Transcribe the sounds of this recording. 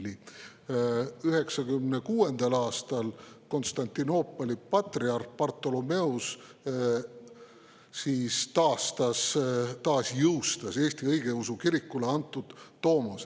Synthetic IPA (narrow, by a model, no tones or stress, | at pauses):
li | yɦe̞ksɑkymnekuːe̞nd̪̥ɑlɑːst̪ɑlko̞nst̪ɑnʲt̪ʲːino̞ːpːˑolʲipɑt̪riɑrpɑrt̪ˑːo̞lome̞us | siːst̪ɑːst̪ɑst̪ɑːsjɯwst̪ɑse̞ːsʲt̪iɤjɡ̥e̞usukiɾikːˑuleɑnt̪ːˑud̪̥ːo̞ːmɑs